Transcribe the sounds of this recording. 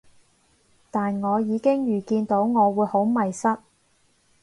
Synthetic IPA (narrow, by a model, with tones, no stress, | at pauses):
t̪aː˨nŋɔː˨˧jiː˨˧kɪ˥ŋjyː˨˩kiː˧nt̪o˨˥wŋɔː˨˧wuː˨˧jho˨˥wmɐ˨jsɐ˥t̚